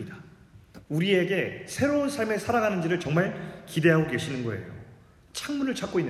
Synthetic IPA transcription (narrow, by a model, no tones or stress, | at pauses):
ida | uɾie̞ɡe̞sʰe̞ɾounsʰaɭme̞sʰaɾaɡanɯnd͡ʑiɾɯɭt͡ɕʌŋmaɭkide̞ɦaɡoke̞ɕʰinɯnɡʌe̞̰jo̰ | t͡ɕʰaŋmunɯɭt͡ɕʰak͈oinː